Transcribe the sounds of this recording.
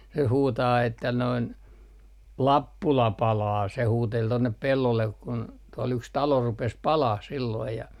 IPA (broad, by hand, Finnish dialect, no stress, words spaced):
se huːtɑː etːæ noin lɑpːulɑ pɑlɑː se huːtel tonːep pelːolːek kun tuol yks tɑlo rupes pɑlɑh silːoij jɑ